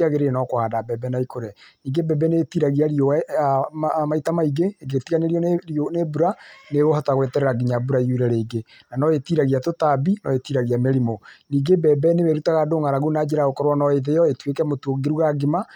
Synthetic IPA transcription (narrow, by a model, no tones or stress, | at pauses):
aɣeɾenɔkohadabɛbɛnaikoɾɛniːŋɡebɛbɛnetiɾaɣiaɾioa | maitamaiɡeɡetiɣaneɾiɔɾonebuɾaneɣoɦɔtaɣwetɛɾɛɾaɡiɲabuɾaiuɾɛɾeːɡe | nanɔetiɾaɣiatotabinɔetiɾaɣiameɾimoniːɡebɛbɛnewɛɾutaɣadoŋaɾaɣunad͡ʒeɾaɣokɔɾwanɔeðejɔetwekɛmotoɡeɾuɣaɡema